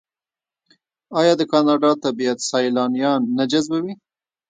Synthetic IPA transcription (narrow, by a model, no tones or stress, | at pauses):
ɑjɑd̪əkɑnɑɖɑt̪abijat̪sɑjlɑnijɑnːad͡ʒazbawi